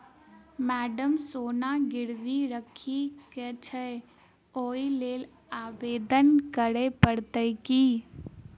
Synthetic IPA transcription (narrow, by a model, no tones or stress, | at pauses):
mɛːɖəmsoːnaɡɪɽʋiɾəkʰikɛt͡ʃʰə | oːileːl | aːʋeːd̪ənkəɾepəɽt̪əɪkiː